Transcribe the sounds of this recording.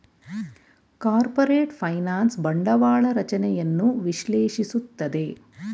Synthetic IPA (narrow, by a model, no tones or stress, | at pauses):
kaːɾpɐɾeːʈpʰɐjnaːnsbɐɳɖɐʋaːɭɐɾɐt͡ʃɐnɛjɐnːuʋiʃleːʃisut̪ːɐd̪e̞